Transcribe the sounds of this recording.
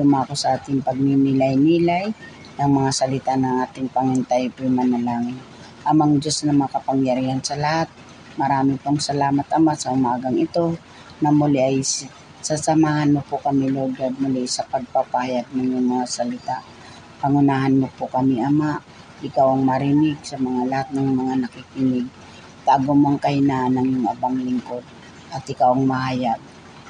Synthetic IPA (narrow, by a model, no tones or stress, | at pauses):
lʊmakosɐʔaːt̪ɪŋpɐɡ̚mimilajniːlaj | nɐŋmɐŋasɐlɪt̪aʔnɐŋʔaːt̪ɪŋpɐŋɪnt̪ajpʊjmɐnɐlaːŋɪn | ʔɐmɐŋd͡ʒosnɐmŋakɐpɐŋjɐɾiːhansɐlɐhat̪̚ | mɐɾaːmɪpoŋsɐlaːmat̪ʔɐmaʔsɐhʊmaːɡɐŋɪt̪o̞ | nɐmʊlɛʔaj | sasɐmaːhanmopʊkɐmɪloɡad̪̚mʊlɛsɐpɐɡ̚papaːjaɡ̚nɐŋjoŋmɐŋasɐlɪt̪aʔ | pɐŋʊnaːɦanmopʊkɐmɪʔɐmaʔ | ʔɪkawɐŋmɐɾɪnɪɡ̚sɐmɐŋalahat̪̚nɐŋmɐŋanɐkɪkɪnɪɡ̚ | t̪aːɡomŋkɐhɪnaʔnɐŋjŋʔɐbaŋlɪŋkod̪̚ | ʔɐt̪ʔɪkawɐŋmɐhaːjaɡ̚